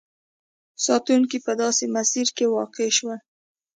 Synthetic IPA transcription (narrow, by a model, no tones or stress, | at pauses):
sɑt̪uŋkipəd̪ɑsemasiɾkewɑqeʃwa